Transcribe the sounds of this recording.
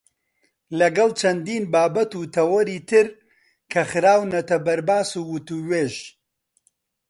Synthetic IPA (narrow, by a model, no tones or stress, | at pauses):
lɐɡɐlˠt͡ʃʰɐnd̪iːnbaːbɐt̪uːt̪ʰɐwɐɾiːt̪ʰɨɾ | kʰɐxɨɾaːwnɐt̪ɐbɐɾbaːsuːwʊt̪uːweːʒ